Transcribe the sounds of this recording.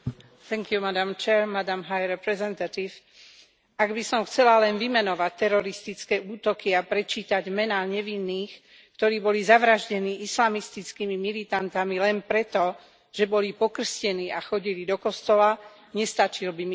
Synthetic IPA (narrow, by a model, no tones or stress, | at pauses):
θɛŋkjumad̪amt͡ʃɛːɾmad̪amɦajɾɛpɾɛzɛnt̪at̪if | aɡbisɔmxt͡sɛlalɛnʋimɛnɔʋac̚t̪ɛɾɔɾist̪it͡skɛːuːt̪ɔkiapɾɛt͡ʃiːt̪aɟmɛnaːɲɛʋinːiːx | kt̪ɔɾiːbɔlizaʋɾaʒɟɛniːʔislamist̪it͡skimimilit̪ant̪amilɛnpɾɛt̪ɔ | ʒ̥ɛbɔlipɔkr̩scɛniːaxɔɟilid̪ɔkɔst̪ɔla | ɲɛst̪at͡ʃilbimi